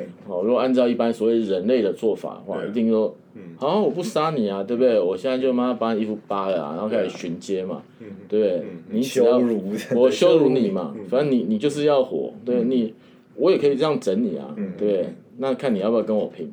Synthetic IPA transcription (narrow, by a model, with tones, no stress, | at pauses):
ɻu˧˦ɡɔ˨˩a˥˧nt͡sɑ˥˧ʊi˥˩pa˦nswɔ˨˦we˥˩ɪə˨ɻə˧˦nle˥˩ɪd̪ə˨t͡swɔ˥˩fa̰˨˩d̪ə̰˩xwa̰˥˧˩ʔḭ˧˦t̪̬i˥˧ŋɔ˥ | a˨˥˦wɔ˨˩pu˥˩sa˥ni˨˩a˨t̪we˥˧bd̪we˥˩ɪwɔ˨˩ɕjɛ˥na˥˧t͡ɕjo˥˧ma˥˧ma˧pa˦˥ni˨˩i˥˧fu˧˩pa˦ə˨˩a̰˨˩˨o˥˧kʰa˥i˨˩ɕi˧˦nt͡ɕjɛ˥ma̰˨ | t̪we˥˧˩de˥˩ɪni˨˦˥jɑ˥˧ʊɔ˨˩ɕjo˥˦ʊlu˧˥ni˨˩ma̰˨˦fa˨˦nə˦ni˨˩ni˨˩t͡ɕjo˥˧ʊʂ̬ɻ̩˥˧jɑ˥˩ʊxwɔ̰˨˩˦t̪we˥˩ɪ˨ni˨˩ | wɔ˧˦jɛ˨˩kʰɤ˧˥i˨˩ʈ͡ʂə˥˧jɑ˥˨ŋʈ͡ʂə˨˦nni˨˩a̰˨t̪we˥˩bd̪e˥˩na˥˨kʰa˥˩nːi˨˩jpjkə˦nwɔ˨˩pʰi˨˧˥ŋ